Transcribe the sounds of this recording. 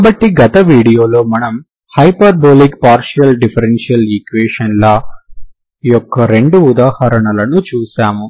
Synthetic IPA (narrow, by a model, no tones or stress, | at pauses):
aːbɐʈːiɡɐt̪ɐʋiːɽijo̞ːlo̞ːmɐnɐm | hɐjpɐɾboːlikpaːɾʂijɐlɖipʰɐɾenʂijɐlikʋeːʂɐnlɐ | ijɔkːɐɾe̞ɳɖuːd̪aːhɐɾɐɳɐlɐnut͡ʃuːsaːmu